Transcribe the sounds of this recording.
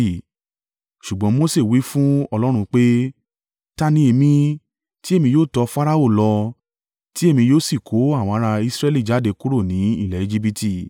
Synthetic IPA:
ʃu˨ɡ͡bɔ̃˨˦mo˦se˦˨wi˨˦fũ˦ɔ˧lɔ˦ɾ̃ũ˧k͡pe˦ | ta˦nĩ˧e˧mĩ˧ | ti˦e˦˨mĩ˧joː˦˨tɔ˧fa˦ɾa˦o˦˨lɔ˧ | ti˦e˦˨mĩ˧joː˦˨si˦˨kʰo˨˦a˦˨w̃ɔ̃˧a˧ɾa˧i˧sɾɛ˦li˦˨d͡ʒa˨˦de˧ku˦ɾo˦˨nĩ˨˦ḭ˦˨lɛ˨i˧d͡ʒi˦˧bi˧ti˦˨

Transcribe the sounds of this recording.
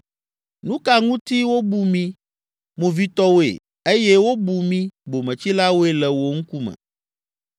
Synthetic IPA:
nũ˦ka˨ŋũ˦t̪i˦wo˦bu˨mĩ˦ | mõ˨vi˦t̪ɔ˦wo˦ḛ˨ | e˦jɛ˦wo˦bu˨mĩ˦bo˨mɛ̃˨t͡ɕi˦la˦wo˦e˦lɛ˨wo˦ŋ̩˦ku˦mɛ̰̃˨

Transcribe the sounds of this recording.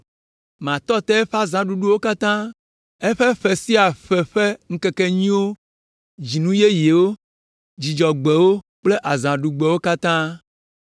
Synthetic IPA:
mã˨t̪ɔ˦t̪ɛ˦ɛ˦ɸa˦zã˨ɖu˦ɖu˦wo˦ka˦t̪ã˦ | ɛ˦ɸe˦ɸɛ˨si˦a˨ɸɛ˨ɸe˦ŋ̩˦ke˦ke˦ɲĩ˦wo˦ | d͡ʑi˨nũ˦je˦je˨wo˦ | d͡ʑi˨d͡ʒɔ˨ɡ͡be˨wo˦ | k͡ple˦ʔa˨zã˨ɖu˨ɡ͡be˨wo˦ka˦t̪ã˦

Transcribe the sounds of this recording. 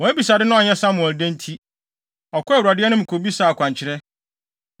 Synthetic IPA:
wɔ̃˨æ˦bi˨sa˨dɪ˦nʊ̃˦a˨ɲɛ˦sã˦mʊ̃˨ɛ˨dɛ̃˦n˦tʰi˦ | ɔ˨kʰʊ˦˨wu˨ɾa˨dɪ˦ɛ˦nʊ̃˦m̩̃˨kʰo˨bi˦saː˨kʷʰã˨ɲt͡ɕʰɪ˨ɾɛ˦

